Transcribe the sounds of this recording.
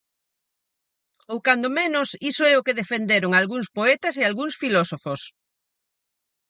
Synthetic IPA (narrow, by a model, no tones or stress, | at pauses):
owkand̪omenʊsisoɛʊkeðefend̪eɾoŋalɣuŋspoɛt̪ɐsealɣuŋsfilɔsofos